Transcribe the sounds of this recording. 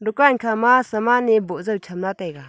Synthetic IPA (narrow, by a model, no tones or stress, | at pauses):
dukankʰamasɐmanebɔzəwt͡ʃʰamlatajɡa